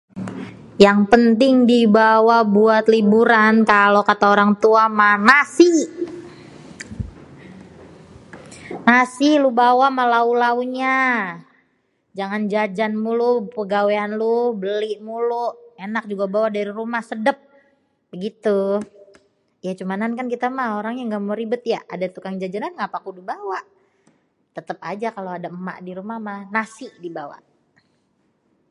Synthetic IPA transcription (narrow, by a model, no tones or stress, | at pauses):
jaŋpənt̪ɪŋdibawabuat̪libuɾankalokat̪aoɾaŋt̪uamanasi | nasilubawamalaulauɲa | d͡ʒaŋand͡ʒad͡ʒanmulupəɡaweanlubəliʔmulʊʔenak̚d͡ʒuɡabawadaɾiɾumahsədəp̚ | bəɡit̪u | jat͡ʃumanankankit̪amahoɾaŋjaŋɡamoɾibʊt̪̚jaʔadat̪ukaŋd͡ʒad͡ʒananŋapakudubawaʔ | t̪ət̪əp̚ad͡ʒakaloadama̰ʔdiɾumahmahnasɪhdibawa̰ʔ